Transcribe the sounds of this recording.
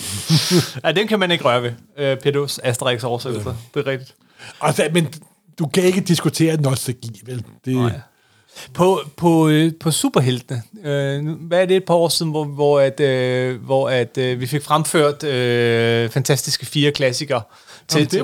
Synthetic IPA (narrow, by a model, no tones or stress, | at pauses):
æd̥emkʰæmæne̝ɡ̥əʁɶːɐʋe | øpʰed̥o̝sæsd̥əʁeɡ̥sɒːɐse̥l̩sɐd̥e̝ʁɛɡ̥d̥id̥ | ælsəmen | d̥ukʰæe̝ɡ̥əd̥isɡ̥ut͡sʰe̝̰ːɐnɒseɡ̥ḭːʋeld̥e | pʰɒ̽pʰɒ̽pʰɒ̽sṵːb̥ɐɦel̰d̥ənəønuʋææɐd̥e̝ːd̥̚pʰɑ̈ɒ̰ːsiðˠn̩ʋɒʋɒæd̥øʋɒæd̥ʋife̝ɡ̥fʁamføɐ̰d̥øfænt͡sʰæsd̥isɡ̥əfiːɐkʰlæsiɡ̥ɐ | t͡sʰe̝